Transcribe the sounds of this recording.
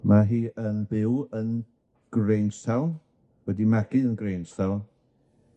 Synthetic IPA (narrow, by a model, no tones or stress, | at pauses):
maɦiːənbɪwən | ɡ̥rejnsaw | wɛdimaɡ̥ɨənɡrejnsaw